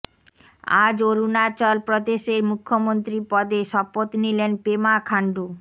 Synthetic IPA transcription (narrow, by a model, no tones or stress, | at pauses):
ad͡ʑoɾunat͡ɕɔlpɾod̪eʃeɾmukʰːomont̪ɾipɔd̪eʃɔpot̪nilenpemakʰaɳɖu